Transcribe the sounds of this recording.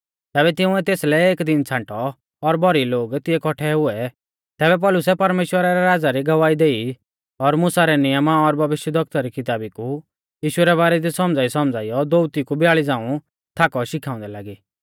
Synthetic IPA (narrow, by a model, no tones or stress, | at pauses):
t̪ɛːbɛt̪ɪ̃ʊ̃ɛt̪eːslɛeːkd̪ɪnt͡sʰãːɳʈɔː | ɾbɔɾiloːɡt̪ɪɛkʰɔʈʰɛɦʊɛ | t̪ɛːbɛp̬ɔlʊsɛpɐɾmeːʃwəɾaɾɛɾaːd͡zaɾiɡɐʋaːid̪eːi | ɔɾmʊsaɾɛnɪjəmaɔɾbʱɐʋɪʃjəd̪ʱɔk̚t̪aɾikʰɪt̪aːbiku | jiːʃʊɛɾɛβaːɾɛd̪isɔmd͡zaːisɔmd͡zaːijɔd̪oʊt̪ikubʱɪjaːɭid͡zãːũ | t̪ʰaːkɔʃɪkʰaːʊ̃nd̪ɛlaːɡiː